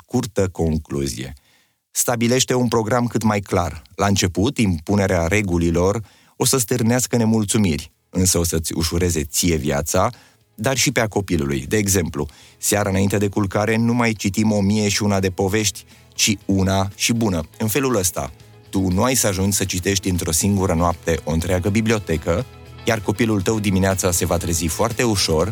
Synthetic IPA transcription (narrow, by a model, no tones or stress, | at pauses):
kurt̪əko̞ŋklṵzḭje̞̰ | st̪abile̞ʃt̪e̞unpɾo̞ɡɾamkɨt̪majkla̰rlaɨnt͡ʃe̞put̪impune̞ɾeaɾe̞ɡulilo̞r | o̞səs̬t̪ɨrneaskəne̞mult̪sumirʲ | ɨnsəo̞sət̪sʲṵʃuɾe̞ze̞t̪sije̞vja̰t̪sa | d̪arʃipeako̞pilṵlṵjd̪e̞ːɡze̞mplṵsaɾaɨnaint̪e̞d̪e̞kulkaɾe̞numajt͡ʃit̪imo̞mije̞ʃiunad̪e̞po̞ve̞ʃt̪ʲ | t͡ʃiunaʃibunəɨnfe̞luləst̪a̰ | t̪unuajsaʒunt͡ʃʲsət͡ʃit̪e̞ʃt̪t̪d̪ʲint̪ɾo̞siŋɡuɾənoap̚t̪e̞ʔo̞ɨnt̪ɾeaɡəbiblio̞t̪e̞kə | jarko̞pilult̪əwd̪imineat̪sase̞vat̪ɾezifoart̪e̞uʃo̞r